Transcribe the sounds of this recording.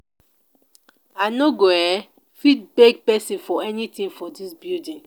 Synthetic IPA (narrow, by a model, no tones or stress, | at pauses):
anoɡoɛ | fit̚beɡ̚pɛsĩfɔɛnitĩnfɔdisbildĩn